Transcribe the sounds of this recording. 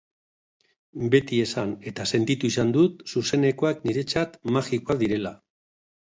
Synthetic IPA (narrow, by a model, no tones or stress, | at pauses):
be̞t̪ie̞sane̞t̪ase̞nt̪it̪uisand̪ut̪suse̞ne̞ko̞akniɾe̞t͡sat̪maxikoakðiɾe̞la